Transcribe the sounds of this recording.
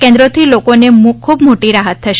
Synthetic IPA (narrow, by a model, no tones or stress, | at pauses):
kẽnd̪ɾot̪ʰilokonemũkʰubmoʈiɾaɦət̪ːʰəʃ